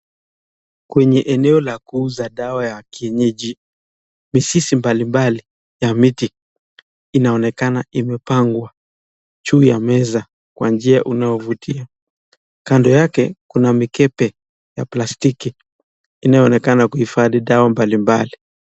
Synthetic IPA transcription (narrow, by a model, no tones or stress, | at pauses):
kwɛɲɛʔɛnɛɔlakuuzaɗawajakiɛɲɛʄi | misisimbalimbali | jamiti | inaɔnɛkanaimɛpaŋɡwa | t͡ʃuːjamɛza | kwand͡ʒiaʔunajɔvutʰia | kandɔjakɛkunamikɛpɛ | japlastiki | inajɔnɛkanakuhifaðiɗawambalimbali